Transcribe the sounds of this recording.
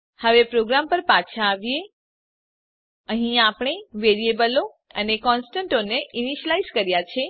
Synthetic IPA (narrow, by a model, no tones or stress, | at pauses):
həʋepɾoɡɾampəɾpat͡ʃʰaːʋje | əɦĩapɳ̃eʋeɾiebəlo | ənekɔnsʈə̃ɳʈoneʔiniʃəlaizkəɾjat͡ʃʰe